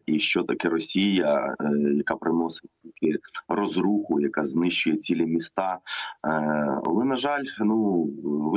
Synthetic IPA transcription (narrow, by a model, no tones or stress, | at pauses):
iʃt͡ʃɔt̪ɐkɛɾɔsʲijɐjɐkɑpɾɪnɔsɪ̥tʲt̪ʲilʲkɪrɔzɾuxʊjɐkɑznɪʃt͡ʃʊjɛt͡sʲilʲɛmʲist̪ɑ | lˠɪnɐʒɑlʲnuʋ